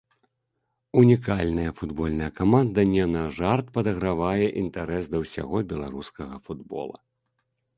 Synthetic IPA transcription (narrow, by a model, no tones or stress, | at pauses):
unʲikalʲnɐjɐfud̪bɔlʲnɐjɐkamand̪ɐnʲɛnɐʐart̪̚pɐd̪ɐɣɾavajɛʔint̪aɾɛsd̪ɐwsʲa̰ɣɔbʲɛlˠaɾuskɐɣɐfud̪bɔ̰lˠɐ̰